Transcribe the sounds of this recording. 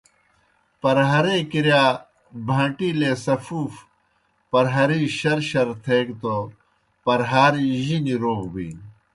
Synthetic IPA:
pɐɾɦɐɾeːkiɾjaː | bʱɐ̃ːʈiːleːsɐfuːf | pɐɾɦɐɾiɕɐɾɕɐɾt̪ʰeːkt̪o | pɐɾɦaːɾiʑiniɾoːkbḭːn

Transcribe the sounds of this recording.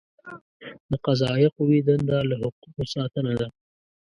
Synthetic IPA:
d̪əqazɑjɪqowid̪ənd̪ɑlahʊquqosɑt̪ənad̪a

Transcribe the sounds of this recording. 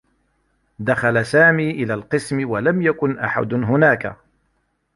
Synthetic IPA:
d̪axalasaːmiːʔɪlaːlqɨsmɪwalamjakʊnʔa̰ħa̰d̪ɦʊnaːka̰

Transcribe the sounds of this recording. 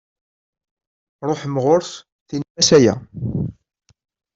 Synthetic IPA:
ɾˤoħmʁʊɾs | θinmæsæjæ̰

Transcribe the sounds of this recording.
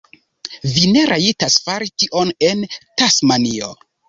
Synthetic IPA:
vine̞ɾʔaitasfaɾitiʔo̞ne̞ntasmanio

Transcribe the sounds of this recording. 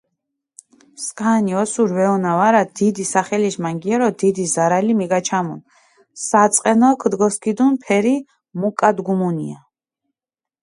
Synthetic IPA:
skʼaniɔsuɾvɛɔnavaɾad̪̥id̪isaχɛliʃmaŋɡiɛɾɔd̪id̪izaɾalimiɡat͡ʃʰamun | sat̪sʼqʼɛnɔkʰd̪ɡɔskid̪unpʰɛɾi | mukʼad̪ɡumunia

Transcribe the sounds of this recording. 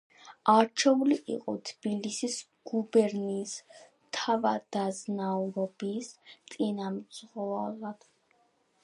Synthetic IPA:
aɾt͡ʃʰɛuliʔḭqʼɔ̰t̪ʰb̥ilisis | ɡ̥ubɛɾniːs | t̪ʰavad̪̥aznauɾɔbist̪ʼinamzʁalˠad̪̥

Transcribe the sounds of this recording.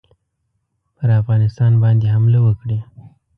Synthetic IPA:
pəɾafɣɑnɪst̪ɑnbɑnd̪ehamlewəkɽe

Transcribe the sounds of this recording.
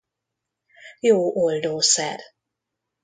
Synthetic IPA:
joːʔold̪oːsɛ̰r

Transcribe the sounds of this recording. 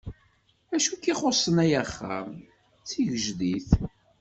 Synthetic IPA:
æʃukiχosˤənæjæχːa̰m | t͡sːiʝəʒðiθ

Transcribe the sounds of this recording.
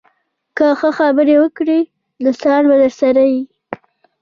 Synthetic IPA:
kəxəxabəɾewəkɽi | nosɑɾbad̪əɾsaɾaji

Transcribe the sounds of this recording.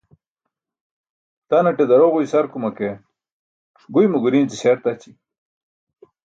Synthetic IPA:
t̪anɐʈed̪ɐɾoʁujsɐɾkumɐke | ʈ͡ʂʰɡujmuɡuɾiːnt͡siɕaɾt̪at͡ɕi

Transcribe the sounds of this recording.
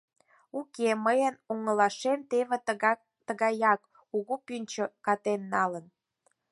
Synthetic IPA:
ukeməjənuŋəlɑʃemt̪eβe | t̪əɣɑjɑk | uɣupynʲt͡ɕokɑt̪enːɑlən

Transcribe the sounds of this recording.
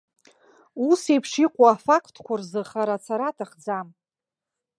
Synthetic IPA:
usejpʰʂiqʷʼoafakʰtʰkʷʰarzɨχaɾat͡sʰaɾatʰaχd͡zam

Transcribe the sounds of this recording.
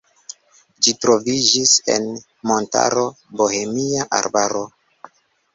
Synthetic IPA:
d͡ʒitɾo̞vid͡ʒise̞̰n | mo̞nta̰ɾo̞ | bohe̞miaʔa̰ɾbaɾo̞

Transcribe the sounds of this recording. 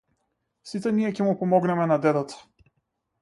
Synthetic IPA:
sit̪ɛniɛcɛmupɔmɔɡnɛmɛnad̪ɛd̪at̪ḁ

